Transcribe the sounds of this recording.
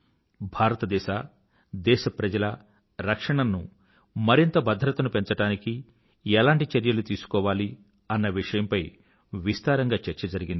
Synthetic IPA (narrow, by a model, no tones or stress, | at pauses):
bʱaːɾɐt̪ɐd̪ɛːʃaː | d̪ɛːʃɐpɾɐd͡ʒɐlɐ | ɾɐkʂɐɳɐnːu | mɐɾint̪ɐbɐd̪ʱɾɐt̪ɐnupeɲt͡ʃɐʈaːniki | ɛlaːɳʈit͡ʃeɾjɐlut̪iːsu̥kɔːʋaːli | ɐnːɐʋiʂɐjɐmpɐj | ʋist̪aːɾɐŋɡaːt͡ʃɛɾt͡ʃɐd͡ʒɐɾiɡind̪i